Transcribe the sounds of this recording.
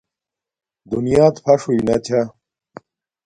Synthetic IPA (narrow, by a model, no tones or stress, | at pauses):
d̪unijaːt̪pʰɐʂuinɐt̪ʰa